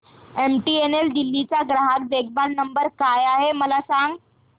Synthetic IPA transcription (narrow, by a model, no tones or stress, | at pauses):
emʈiːeneld̪ilːit͡ɕaɡɾaɦakdeɡ̚ʱbannəmbəɾkajaɦeməlasaŋɡ